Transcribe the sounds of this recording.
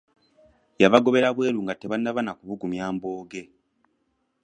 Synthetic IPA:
jaβaɡo̞βe̞ɾaβwe̞ːɾuŋɡatːeβanːaβanakuβuɡumjaːmbo̞ːɡe̞

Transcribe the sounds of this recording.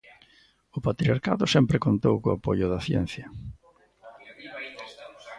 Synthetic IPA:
ʊpat̪ɾiaɾka̰ðʊsɛmpɾɪkont̪owkoapoʎʊðɐθjɛ̰n̟θjɐ

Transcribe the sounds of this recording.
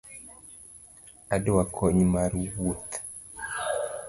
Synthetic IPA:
adewakʰɔɲmaɾwut̪

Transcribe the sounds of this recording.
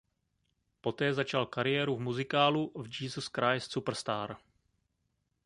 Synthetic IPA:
po̞t̪ɛːzat͡ʃalkaɾɪjɛːɾuvmuzɪkaːluvd͡ʒiːzoskɾajst͡supr̩st̪aːɾ

